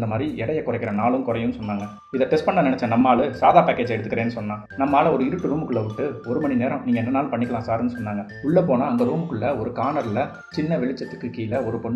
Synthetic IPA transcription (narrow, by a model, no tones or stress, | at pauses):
nd̪ɐmaːd̪ɾiɛɽɐjɐkːʊrɐɪkːɪɾɐ̃naːlɯ̃mkʊɾɐjʊ̃nːɯsɔnːaːŋɡɐ | ɪðɐʈɛsʈpɐnːɐnɪnɛt͡ʃːɛ̃nɐmːaːlɯsaːðaːpaːkeːd͡ʒɐɛɽɯt̪ːɯkːɪɾẽːnːɯsɔnːãː | nɐmːaːlɐɔɾɯɪɾɯʈːɯɾuːmɯkːɯɭːɐʋɪʈːɯɔɾɯmɐnɳineːɾɐ̃mniːŋɡɐɛnːɐnaːlpɐɳːɪkːɐɭãːsaːɾɯnːɯsɔnːaːŋɡɐ | ʊɭːɐpoːnaːɐŋɡɐɾuːmɯkːɯɭːɐɔɾɯkaːɳɐɾɪlɐ | t͡ʃɪnːɐʋɛɭɪt͡ʃːɐt̪ːɯkːɯkːiːlɐɔɾɯpɔɳː